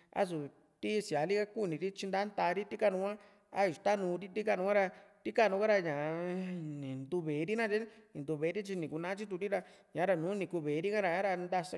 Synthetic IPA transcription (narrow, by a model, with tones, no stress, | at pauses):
a̰˦s̬u˨ | t̪i˦si˨a˨˦li˦ka˦ku˦˨nĩ˨ɾi˦t͡ʃi˧nd̪a˦nt̪a˧ɾi˦t̪i˦ka˦nũ˧kʷã˦ | a˦˨u˨t̪a˦nũː˧ɾi˦t̪i˦ka˦˧˨nũ˧kʷã˦ɾa˧t̪i˦ka˦nũ˧ka˦ɾa˧ɲã˨ | nĩ˨nd̪u˧βeː˨˦ɾi˦nã˦ti˦nĩ˨nd̪u˧βe˨˦ɾi˦t͡ʃi˧nĩ˨ku˧nã˦t͡ʃi˦t̪u˧ɾi˦ɾa˧ | ɲã˨˦ɾa˧nũː˨˦nĩ˨ku˧βeː˨˦˧ɾi˦ka˦ɾa˧˨ɲã˦ɾa˧nd̪a˧sa˧